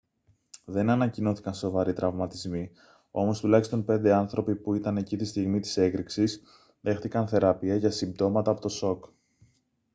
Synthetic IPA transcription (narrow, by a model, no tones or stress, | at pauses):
ðe̞nɐnɐcino̞θi̥kɐnso̞vɐɾit̪ɾʔɐvmɐt̪izmi | o̞̰mo̞st̪ulɐçist̪o̞npe̞nd̪e̞ɐnθɾo̞pipuit̪ɐne̞cit̪ist̪iɣmit̪i̥se̞kɾiksis | ðe̞xθikɐnθe̞ɾɐpiɐʝɐsimb̚t̪o̞mɐt̪ɐːpo̞t̪o̞so̞k